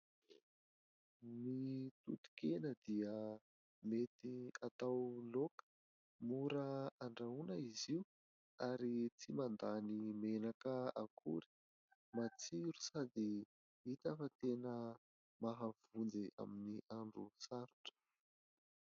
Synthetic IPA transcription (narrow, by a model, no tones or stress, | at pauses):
mit̪ut̪u̥kenəd̪iə | met̪iat̪awlokə̥ | muɾəaɳɖ͡ʐaunəiziu | aɾit͡simand̪animenakəakʰuɾi̥ | mat͡siɾu̥sad̪i | it̪afət̪enə | maɦav̥und͡zeʔa̰miniʔaɳɖ͡ʐusaɾuʈ͡ʂə̥